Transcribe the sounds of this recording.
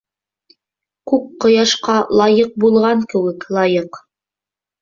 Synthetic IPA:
kʉp̚qŏjɑʃqɑlˠɑjɤq̚bulˠʁɑŋkɘ̆wɘklˠɑjɤq

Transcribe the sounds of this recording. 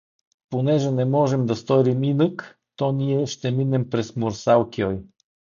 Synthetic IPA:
ponɛʒɛnɛmɔʒɛmd̪ɐst̪ɔɾiminɤk | t̪ɔniɛʃt̪ɛminɛmpɾɛsmoɾsalˠkiɔj

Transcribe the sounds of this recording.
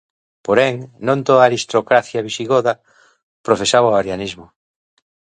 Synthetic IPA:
poɾɛŋnõnt̪oðaːɾist̪ɾokɾaθjaβ̞iʃiɣoða | pɾofesaβaoaɾjanizmo

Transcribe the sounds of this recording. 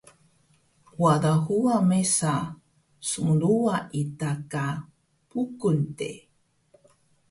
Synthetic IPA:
wadahuamesa | suŋɾuaʔitaka | pukuntḛ

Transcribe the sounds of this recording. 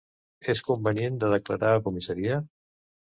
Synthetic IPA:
eskumbəniend̪əðəklaɾaːkumisəɾiə

